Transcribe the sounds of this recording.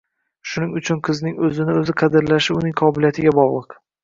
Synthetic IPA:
ʃʊnɪŋʊt͡ʃʰʊnqʰɨznɪŋɵzɪnɪɵzɪqʰɑd̪ɪɾlaʃɪʊnɪŋqʰɒbɪljat̪ʰɪɡʲabɒʁlˠɨq

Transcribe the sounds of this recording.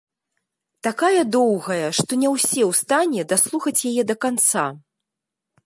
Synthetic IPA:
t̪akajɐd̪ɔwɣɐjɐʂt̪ɔnʲɛwsʲɛwst̪anʲɛd̪aslˠuxɐt͡sʲjajɛd̪ɐkant̪sa̰

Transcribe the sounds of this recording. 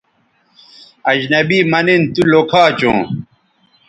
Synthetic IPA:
ɐd͡ʑnɐbiːmɐnent̪ulokʰaːt͡ɕõ̰ː

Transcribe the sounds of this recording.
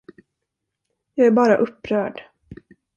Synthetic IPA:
jɑːɡæɾbɑːɾaʔɵpːɾœːɖ

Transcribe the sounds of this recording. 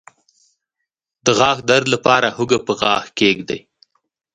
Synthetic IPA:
d̪̥əɣɑːxd̪aɾd̪lapɑɾahʊɡapəɣɑːxkeɡd̪a̰j

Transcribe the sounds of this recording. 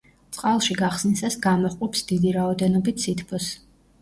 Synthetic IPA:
t̪sʼqʼalˠʃiɡaχsnisasɡamɔχqʼɔpsd̪id̪iɾaɔd̪ɛnɔbit̪ʰsit̪ʰpʰɔs

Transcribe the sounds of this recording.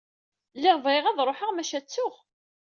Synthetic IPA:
ləvjʁæðɾˤoħəʁmæʃæt͡sːʊʁ

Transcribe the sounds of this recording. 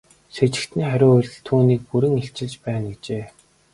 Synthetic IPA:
ʃet͡ɕɪ̆kt̪niːχæɾʲʊːʊr̆ʲɮt̪ʰuːniːk̚puɾɘ̆ŋeɬt͡ɕɪ̆ɮt͡ɕpæːnit͡ɕeː

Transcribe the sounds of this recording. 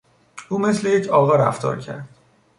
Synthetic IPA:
ʔuːme̞slejecʰɒːɣɒːɾæ̰ft̪ʰɒ̰ːɾcʰæ̰ɾd̪̥

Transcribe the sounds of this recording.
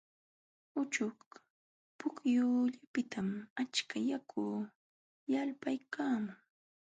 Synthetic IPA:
ʊt͡ʃʊk | pʊkjʊːʎapɪt̪ʰamat͡ʃkajakʰuː | jalpajkaːmʊŋ

